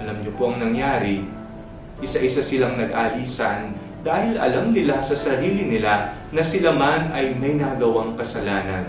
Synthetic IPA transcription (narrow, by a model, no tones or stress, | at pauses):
ɐlɐmɲopoʔɐŋnɐŋjaːɾɪ | ʔɪsaʔɪsasɪlaŋnɐɡ̚ʔaːʔiːsɐn | d̪aːhɪlʔɐ̰lamnɪlasɐsɐɾiːlɪnɪla | nɐsɪlamanɐjmɐjnaːɡɐwaŋkɐsɐlaːnɐ̰n